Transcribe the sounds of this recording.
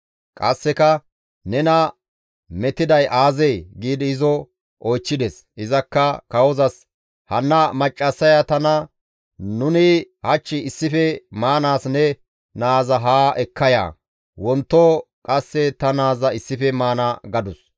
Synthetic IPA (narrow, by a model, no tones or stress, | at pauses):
kʼɐsːɛkɐ | nɛnɐ | mɛt̪ɪd̪ɐjʔaːzɛjɡiːd̪ɪɪzɔ | ʔɔjt͡ʃːɪd̪ɛs | ʔɪzɐkːɐkɐwɔzɐs | hɐnːɐmɐt͡ʃʼːɐsːɐjɐt̪ɐnɐ | nʊnɪhɐt͡ʃːɪɪsːɪfɛmaːnaːsnɛ | naːzɐɦaːʔɛkʰːɐja̰ː | wɔnt̪ːɔkʼɐsːɛt̪ɐnaːzɐɪsːɪfɛmaːnɐɡɐd̪ʊs